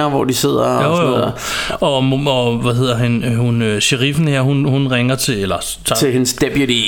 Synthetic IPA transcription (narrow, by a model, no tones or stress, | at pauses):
ɐʋɒ̰d̥ise̝ð̞̰ˠɐojoð̰ˠɐɒ̽moɒʋæhe̝ð̰ˠɐɦænhunøɕeʁifn̩heɐ̰hunhunʁeŋɐt͡sʰe̝elɐ | t͡sʰɑe̝hensd̥eb̥judi